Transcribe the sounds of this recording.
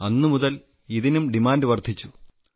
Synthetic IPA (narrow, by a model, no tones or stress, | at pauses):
ɐnːumuðɐl | iðinumɖimaːndɨʋɐrd̪ʱit͡ɕːu